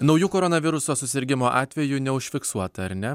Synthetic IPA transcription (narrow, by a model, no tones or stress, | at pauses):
nɒʊjuːkoːɾɔnɐʋʲɪɾʊsoːsʊsʲɪɾʲɡʲɪmoːʔɑːt̪ʲʋʲɛjʊnʲɛʊʃʲfʲɪksuɔt̪ɐɐɾʲnʲɛ